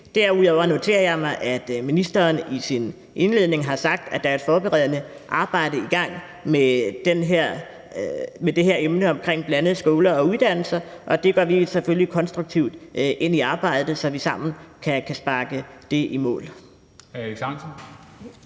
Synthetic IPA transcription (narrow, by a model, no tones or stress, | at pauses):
d̥æɐuðˠɒʊɐno̝t͡sʰe̝̰ːɐjɑ̈ɪmɑ̈ɪʔæd̥minisd̥ɐːnisin | ʔe̝nle̝ðˠne̝ŋɦɑ̈sɑ̈ɡ̥̚d̥æd̥ɑɐed̥fɒːb̥eʁɛð̞̰ˠnə | ʔɑ̈ːb̥ɑ̈ɪ̰d̥əiɡ̥ɑ̈ŋ̰ | med̥enɦeɐ̰ | med̥e̝ɦeɐemnəɒ̽mkʰʁeŋ̰b̥lænəð̩ˠsɡ̥o̝ːlɐɒ̽uðˠd̥æn̰l̩sɐʔɒ̽d̥e̝ɡ̥ɶɐʋiseføljikʰɒ̽nsd̥ʁuɡ̥̚t͡sʰiʊd̥ʔe̝niɑ̈ːb̥ɑ̈ɪ̰d̥ð̩ˠsɒ̽ʋisɑ̈m̰n̩kʰækʰæsb̥ɑ̈ːɡ̥əd̥e̝ʔimɔ̰̽ːl | æiɡsɑnsn̩